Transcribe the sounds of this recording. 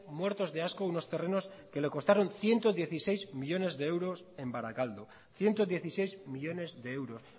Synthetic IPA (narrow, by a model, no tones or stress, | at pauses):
mwe̞ɾt̪o̞zðe̞askouno̞st̪e̞re̞no̞ske̞le̞ko̞st̪aɾo̞nθje̞nt̪o̞ðje̞θisejzmiʎo̞ne̞zðe̞ewɾo̞se̞mbaɾakald̪o | θje̞nt̪o̞ðje̞θise̞jzmiʎo̞ne̞zðe̞ewɾo̞s